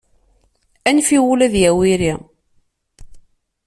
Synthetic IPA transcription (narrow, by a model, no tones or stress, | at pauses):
ænfiwulæðjæwiɾi